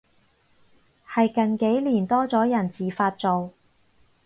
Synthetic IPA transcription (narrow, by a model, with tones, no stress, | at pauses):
hɐ˨jkɐ˨nke˨˥jliː˨˩nt̪ɔː˥t͡sɔː˨˥jɐ˨˩nt͡siː˨faː˧t̚t͡so˨w